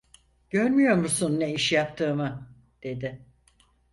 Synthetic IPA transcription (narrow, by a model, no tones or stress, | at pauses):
ɟ̥øɾmyjo̞ɾmusunːeiʃjap̚t̪ʰɯːmɯ | d̪̥e̞d̪ɪ